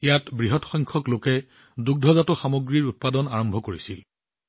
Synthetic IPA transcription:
ejatbɹiɦɔtxɔjŋkʰɔklokɛ | duk̚dʱɔzatʊxamoɡɹiɹut̚padɔnaɹɔmbʱɔkoɹisil

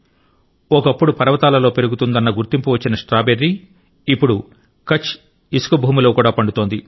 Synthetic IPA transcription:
ɔkɐpːuɽupɐɾɐʋɐt̪aːlɐlo̞ːpe̞ɾuɡut̪und̪ɐnːɐɡuɾt̪impuʋɐt͡ʃːinɐʂʈɾaːbeɾːi | ipːuɽu | kɐt͡ʃ | isu̥kubʱuːmulo̞ːkuːɽaːpɐɳɖut̪o̞ːnd̪i

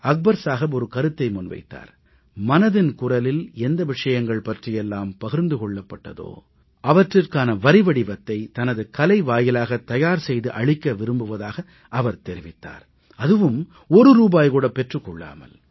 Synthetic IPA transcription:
ɐk̚bɐɾsaːɣɐbɔɾɯkɐɾɯt̪ːɐɪmʊnʋɐ̰ɪt̪ːa̰ːɾ | mɐnɐðɪnkʊrɐlɪlɛnd̪ɐʋɪʂɐjɐŋɡɐɭpɐʈrɪjɛlːaːmpɐɣɪɾnd̪ɯkɔɭːɐpːɐʈːɐ̰ðo̰ː | ʔɐʋɐʈrɪrkaːnɐʋɐɾɪʋɐɽɪʋɐt̪ːɐɪt̪ɐnɐðɯkɐlɐɪʋaːjɪlaːɣɐt̪ːɐjaːɾsɛjðɯʔɐɻɪkːɐʋɪɾɯmbɯʋɐðaːɣɐ | ʔɐʋɐɾt̪ɛɾɪʋɪt̪ːa̰ːɾ | ɐðɯʋɯm | ɔɾɯɾuːbaːjkuːɽɐpɛʈrɯkːɔɭːa̰ːmɐ̰l

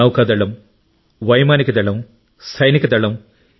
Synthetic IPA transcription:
ɐwkːaːd̪ɐɭːɐm | ʋɐjmaːnikʲːɨt̪ɐɭːɐm | sɐjnikʲːɐt̪ɐɭːɐm

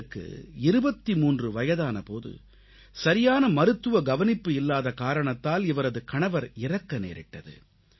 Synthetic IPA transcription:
kːɯ̰ɪɾɯbɐt̪ːimuːndrɯʋɐjɐðaːnɐpo̰ːðɯ̰ | sɐɾɪjaːnɐmɐɾɯt̪ːɯʋɐɡɐʋɐnɪpːɯɪlːaːðɐkaːɾɐɳɐt̪ːaːlɪʋɐɾɐðɯkɐɳɐʋɐɾɪrɐkːɐnḛːɾɪ̰ʈːɐðɯ̰

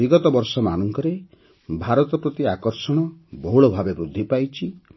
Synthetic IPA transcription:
iɡɔt̪ɔbɔɾsɔmanɔŋkɔɾe | bʱaɾɔt̪ɔpɾɔt̪iakɔɾsɔɽ̃ɔbɔɦuɭɔbʱabebɾud̪ʱːipajt͡ʃʰi

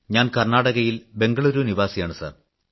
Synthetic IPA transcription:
ɲaːnkɐrɳaːɽɐɣɐjilbe̞ŋɡɐɭuɾuːniʋaːsijaːɳɨsa̰ːr

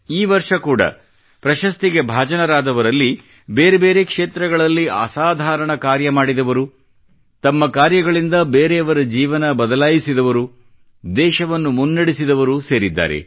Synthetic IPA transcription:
iːʋɐɾʂɐkuːɽɐ̰ | pɾɐʃɐst̪iɡe̞bʱaːd͡ʒɐnɐɾaːd̪ɐʋɐɾɐlːi | beːɾebe̞ːɾe̞kʂe̞ːt̪ɾɐɡɐɭɐlːiʔa̰ːsaːd̪ʱaːɾɐɳɐkaːɾjɐmaːɽid̪ɐʋɐɾu | t̪ɐmːɐkaːɾjɐɡɐɭind̪ɐbeːɾeɐʋɐɾɐd͡ʒiːʋɐnɐbɐd̪ɐlaːjisid̪ɐʋɐɾu | d̪ɛːʃɐʋɐnːumunːɐɽisid̪ɐʋɐɾuse̞ːɾid̪ːa̰ːɾe̞̰

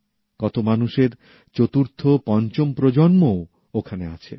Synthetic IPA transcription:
kɔt̪omanuʃeɾ | t͡ɕot̪uɾt̪ʰopɔnt͡ɕompɾod͡ʑonmo | okʰanea̰t͡ɕʰḛ

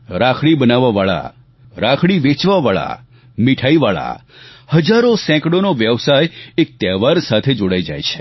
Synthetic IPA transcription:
ɾakʰɭibənaʋaʋaɭa̰ | ɾakʰɽiʋet͡ʃʋaʋaɭa̰ | miʈʰaiʋaɭa̰ | həd͡ʒaɾosɛ̃kɽonoʋjəʋsajek̚t̪ɛʋaɾsat̪ʰed͡ʒoɽaid͡ʒajt͡ʃʰe̥

